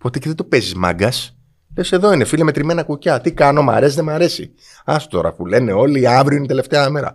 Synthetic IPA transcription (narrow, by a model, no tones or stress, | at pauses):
pot̪eceðet̪upezizmɐ̰ɡɐs | lese̞ðo̞inefilɐmet̪ɾime̞nɐkucɐt̪ikɐnomɐ̰ɾe̞siðemɐɾe̞sḭ | ɐso̥t̪o̞ɾɐ̰pule̞ne̞o̞liːɐvɾioinit̪e̞le̞ft̪eɐɐmeɾɐ̰